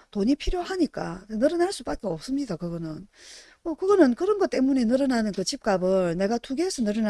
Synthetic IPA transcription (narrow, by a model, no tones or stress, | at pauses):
toɲipʰiɾjohaɲik͈anenɯɾʌnaɭs͈ubak͈eʌp̚s͈ɯmɲidakɯɡʌnɯn | mʌkɯɡʌnɯnkɯɾʌnɡʌt͈e̞muɲe̞nɯɾɯnanɯnkɯt͡ɕip̚k͈abɯɭne̞ɡatʰuɡeːsʰʌnɯɾɯna